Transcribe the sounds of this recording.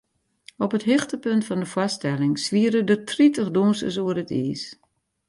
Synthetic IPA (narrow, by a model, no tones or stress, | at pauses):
ɔpətɦɪxtəpøntfɔndəfwɔstɛlɪŋsʋiəɾədətritəχdunsə̰s̬uərətḭːs